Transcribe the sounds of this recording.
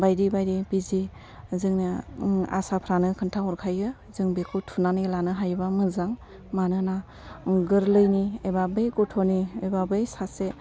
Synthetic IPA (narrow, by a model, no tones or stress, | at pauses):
bajdibajɾipizi | zɯŋnaa̰sapʰɾanɯkʰɯntʰaɦɔɾkʰajɯ | zɯŋbekʰɯwtʰunanilanɯɦajbamɯzaŋ | manɯna | ɡɯɾlɯjniebabɯjkɔtʰoniebabɯjsase